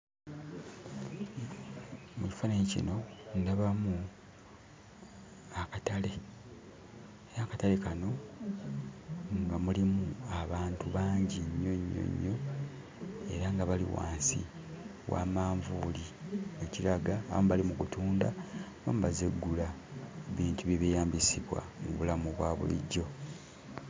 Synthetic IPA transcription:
muci̥fanaɲicḭno̞ndaβamu | akatale̞ | eɾakatale̞kano̞ | ŋɡamulimuaβaːntuβaːɲɟiɲːo̞ɲːo̞̰ɲːo̞ | e̞̰ɾaŋɡaβalḭwa̰ːnsḭ | wa̰ːmaːɱvuːlieciɾaɡaːβamβalimukutuːnda̰βa̰muβazeɡːulaβiːntuβiβijaːmbisiβwa̰mṵβulamuβwaːβṵlḭɟːo̞

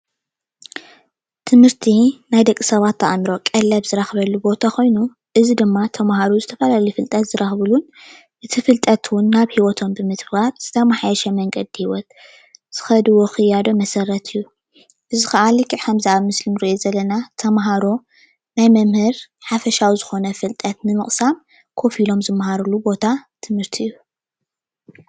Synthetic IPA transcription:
t̪ʰɨmhɨɾt̪ʰinajd̪ɐkʼːi̥sɐβat̪ʰːɐ̰ʔmɾo̞kʼɐlːɐβzɨɾaxβɐlːubo̞t̪ʰakʰo̞jnu | ʔɨzid̪ɨmːat̪ʰɐmɦaɾozɨt̪ʰɐfɐlalɐjfɨlt̪ʼɐt̪z̥ɨɾɐxβɨlun | ʔɨt̪ʰɨfɨlt̪ʼɐt̪ʰwʊnːaβhiwɔt̪ʰombɨmɨt̪baɾz̥ɨt̪ʰɐmaħajɐʃɐmɐŋɡɐd̪ihiwɔt̪̚ | z̥ɨ̥xɐd̪ɨwoxɨjːad̪o̞mɐsɐrɐt̪ʰɨjːu | ʔɨzixɐʔalikʰːiʕkʰɐmzaʔaβmɨslinɨɾiʔezɐlːɐnat̪ʰɐmɦaɾo̞ | najmɐmhɨɾħafɐʃawizɨxo̞nɐfɨlt̪ʼɐt̪nɨmɨχʼsam | kʰo̞filo̞mzɨmːɦaɾulubo̞t̪ʰat̪ʰɨmhɨɾt̪ʰiɨjːu

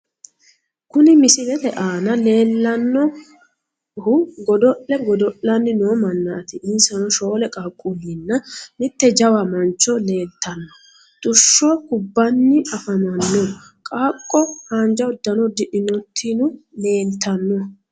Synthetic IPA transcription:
kʊnɪmɪsɪlɛt̪ɛʔaːnɐle̞ːlːɐnːɔ | hʊɡɔd̪ɔʔːɛɡɔd̪ɔʔɐnːɪnoːmɐnːɐt̪ɪʔɪnsɐnɔʃoːlɛkʼaːkʼːʊmɪnːɐmɪt̪ːɛd͡ʒɐwɐmɐnt͡ʃːɔle̞ːnt̪ʰːɐnːɔ | t̪ʼʊʃːɔkʊbːɐnːɪɐfɐmɐnːɔ | kʼaːkʼːɔhaːnd͡ʒɐʊd̪ːɐnɔd̪ɪʔɪnɔt̪ʰːinʊle̞ːnt̪ʰːɐnːɔ

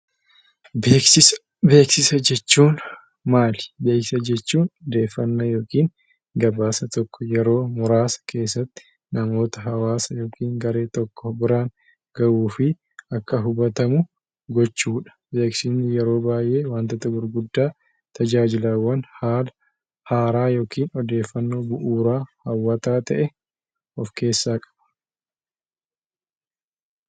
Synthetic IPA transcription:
beːksɪs | be̞ːksɪsɐd͡ʒɛt͡ʃːuːn | maːlbe̞ːkɪ̥sɐd͡ʒɛt͡ʃːuːnd̪e̞ːfːɐnːɐjo̞ːkiːŋ | ɡɐbaːsɐt̪ɔkʰːɔjɛɾo̞ːmʊɾaːsɐ̥kʰe̞ːsːɐt̪ːɪ̥ | nɐmo̞ːt̪ɐɦɐwaːsɐjo̞ːkʰiːŋɡɐɾe̞ːt̪ɔkːɔbɪɾaːŋ | ɡ̥ɐʔuːfɪ | ɐkːɐɦʊbɐt̪ɐmʊ | ɡɔt͡ʃːuːᶑɐ̥beːksiːnːɪjɛɾo̞ːbaːjʔe̞ːwaːnt̪ɐt̪ɐɡʊɾɡʊd̪ːaː | t̪ɐd͡ʒaːd͡ʒɪlaːwːɐnaːl | haːɾaːjo̞ːkiːnɔd̪e̞ːfːɐnːo̞ːbʊʔuːɾaːhɐwːɐt̪aːt̪ɐʔɛ | ɔfke̞ːsːaːkʼɐ̥b̥ɐ̥

